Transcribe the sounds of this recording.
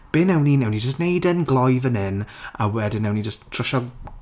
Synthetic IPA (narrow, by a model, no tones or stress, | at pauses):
b̥ɪnɛwninɛwnid͡ʒəstnejdənɡlˠɔjvənɪna̰wɛdɪnːɛwnid͡ʒəsttʰr̥ɔʃɔ